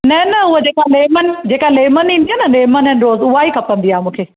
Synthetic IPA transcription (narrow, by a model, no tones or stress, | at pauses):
nɐnɐɦʊɦod͡ʑeːkaleːmən̆d͡ʑeːkaleːmənĩːnd̪iaːnɐleːmənɛ̃ːnɪɾoːzʊɦaːikʰɐpə̃nd̪iaːɦemũːkʰeː